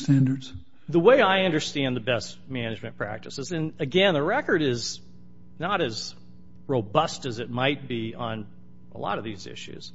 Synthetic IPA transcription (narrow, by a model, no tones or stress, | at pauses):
stæ̃ndə˞dz̥ | ðəweɪaɪʌ̃ndə˞stæ̃nðɨbɛst̚mænɨd͡ʒmɨ̃npʰɹ̥æ̰k̚tɨsɨzɨ̃nɨɡɛ̃nðəɹɛkə˞ɾɪz | nəɾɨz | ɹoʊbʌstɨzɨt̚maɪt̚b̥iə̃n | ə̰lɔ̰ɾʌvðizɪ̰ʃʉ̰z̥